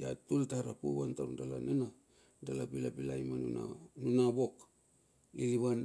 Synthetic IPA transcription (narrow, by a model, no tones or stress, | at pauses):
jatultaɾapuβantaɾundalanena | dalapilapilajmanuna̰nunabo̞k | iliβan